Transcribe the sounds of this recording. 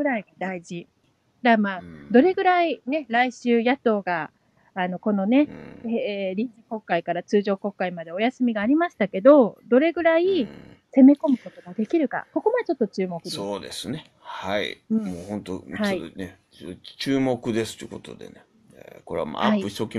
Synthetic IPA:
ɡɯ̟ɾaiɡad̪aiʑi | d̪amaːd̪o̞ɾe̞ɡɯ̟ɾaine̞ɾaiɕɨːjat̪o̞ːɡaː | no̞ko̞no̞ne | ɾʲĩɲd͡ʑiko̞kːaikaɾat͡sɨːʑo̞ːko̞kːaimad̪e̞o̞jasɨmʲiɡaːɾʲimaɕi̥t̪ake̞d̪o̞d̪o̞ɾe̞ɡɯ̟ɾai | se̞me̞ko̞mɯ̟ko̞t̪o̞ɡad̪e̞kʲiɾɯ̟ka̰ko̞ko̞mad̪et͡ɕo̞t̪ːo̞t͡ɕɨːmo̞kɯd̪oːd̪e̞̰sɨne | haḭɯ̃ːmoːhõ̞nt̪o̰haine | t͡ɕɨːmo̞kɯ̟d̪e̞sɨ̥t̪okot̪o̰d̪ḛne | ekoɾea̰ma̰aaipɯ̟çi̥t̪okʲi

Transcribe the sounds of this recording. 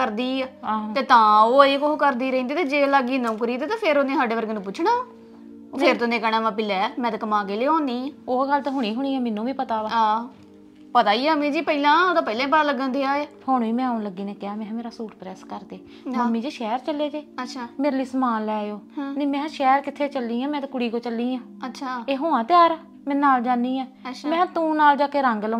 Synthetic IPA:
kəɾd̪iːaːt̪eːt̪ãːoːeːkoɦokəɾd̪iːɾəĩːnd̪iːt̪eːd͡ʒeːlaːɡiːnəũːkəɾiːt̪eːt̪ãːpʰeɾoːnẽːsaːɖeːʋəɾɡeːnũːp̬ʊt͡ʃʰɳaː | pʰɪɾt̪onẽːkəːɽãːmãːp̬ɪlɛːmɛ̃ːt̪ekəmãːkeːleːõːnd̪iːoːɡəlt̪ãːɦʊɽ̃iːɦʊɽ̃iːɛːmɪnːũːʋĩːpət̪aːʋaːaː | pət̪aːiːəmẽːd͡ʒiːpəiːlãːoːd̪aːpəiːlãːpət̪aːləɡãːnd̪iːaːehoːnːiːmɛ̃ːaːʊnləɡiːnẽːkɪaːmɛ̃ːmeːɾaːsuːʈpɾɛːskəɾd̪eː | maːmĩːd͡ʒeːʃɛːɾt͡ʃəlːeːd͡ʒeːət͡ʃʃʰaːmeːɾliːsmaːlːɛːjoːneːmɛ̃ːʃɛːɾkɪt̪ʰːeːt͡ʃəlːiːãːmɛ̃ːt̪ekʊɽiːkoːt͡ʃəlːiːãː | ətːʃʰaːeːɦoːãːt̪jaːɾaː | mɛ̃ːnaːld͡ʒãːniːɛ̃ːʃmɛ̃ːt̪ũːnaːld͡ʒaːkeːɾəŋɡl

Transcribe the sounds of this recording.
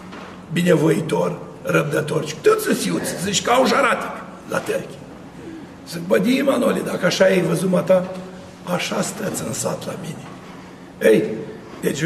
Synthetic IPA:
binʲevoit̪or | rəb̚d̪ət̪ort͡ʃkt̪ot̪sɨsʲiut̪szɨt͡ʃkawʒaɾat̪i̥k | la̰t̪ərkʲi̥ | sɨk̚bəd̪ʲimanolʲid̪akəaʃajejvəzumat̪a | aʃast̪ɾət̪sɨnsa̰t̪la̰mine | ej | d̪̥et͡ʃ

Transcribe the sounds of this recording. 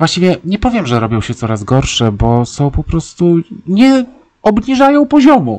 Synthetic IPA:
vwaɕt͡ɕivʲjɛɲɛpɔvʲjɛmʐɛɾɔbʲjɔ̃w̃ɕɛt̪sɔɾazɡɔɾʂɛbɔsɔ̃w̃pɔpɾɔst̪uɲɛ | ɔbɲiʐajɔ̃w̃pɔʑɔmu

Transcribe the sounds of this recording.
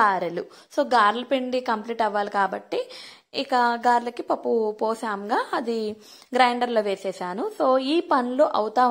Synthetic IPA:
aːɾelu | soːɡaːɾlɐpeɳɖikɐmpliːʈɐʋːaːlikaːbɐʈːiː | kɐɡaːɾlɐkipɐpːupoːsaːmɡaːɐd̪i | ɡɾɐjɳɖɐɾloːʋeːsɛːsaːnusoːiːpɐnuloːʔɐwut̪aː

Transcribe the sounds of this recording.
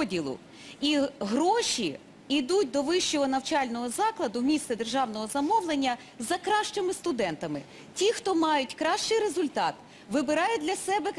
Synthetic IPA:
dʲilˠʊ̰ | iɦɾɔʃʲi | id̪ut̚ʲd̪ɔʋɪʃt͡ʃɔɦɔnɐwt͡ʃɑlʲnɔɦɔzɑklˠɐd̪ʊmʲist̪ɛd̪erʒɑwnɔɦɔzɐmɔwlˠenʲːɐ | zɐkɾɑʃt͡ʃɔmɪst̪ʊd̪ɛnt̪ɐmɪ | tʲixt̪ɔmɑjʊtʲkɾɑʃt͡ʃɪjɾezʊlʲt̪ɑt̪ | ʋɪbɪɾɑjʊd̪ʲlʲɐsɛbɛ

